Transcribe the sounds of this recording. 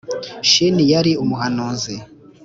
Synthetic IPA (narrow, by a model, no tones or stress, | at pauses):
ʃinijaɾiumuɦanuːnzi